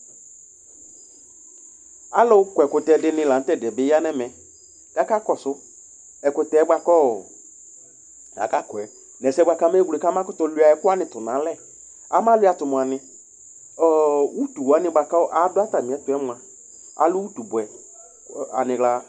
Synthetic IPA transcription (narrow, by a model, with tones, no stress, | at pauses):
a˨˦lʊ˦kʊ˨ɛ˨kʊ˨tɛ˨dɪ˦nɪ̃˧˨la˨n̩˦tɛ˦˨dɛ˨bɪ˨˦a˦nɛ˦mɛ˨ | ka˦ka˦kɔ˨sʊ˦ | ɛ˨kʊ˨tɛ˨˦ba˧kɔ˦˨ | a̰˨ka˦kɔ˨ɛ˨ | nɛ˨sɛ˦ɡ͡bʷa˧ka˦mɛ˦ɡu˨e˨ka˦m˦ã˦kʊ˦tɔ˧˦lʊ˦a˨ɛ˦kʊ˦a˦nɪ̃˨tʊ˨nã˨˦lɛ˦˨ | a˦mã˦lʊ˦a˨tʊ˨mʊ̃˨a˨nɪ̃˧ | ɔ˨wu˦tu˨wa˨˦nɪ˧ɡ͡ba˨ka˦˨ʔa˨˦dʊ˦a˦ta˨mĩ˨ɛ˨˦tʊ˨ɛ˦mʊ̃˨a˨ | a̰˨lʊ˦wu˦tu˨bʊ˨ɛ˨ | a̰˨nɪ̃˨la˦